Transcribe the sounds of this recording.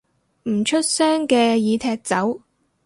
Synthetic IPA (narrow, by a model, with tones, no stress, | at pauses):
m̩˨˩t͡ʃʰɵ˥t̚sœː˥ŋkɛː˧jiː˨˧t̪ʰɛː˧k̚t͡sɐ˨˥w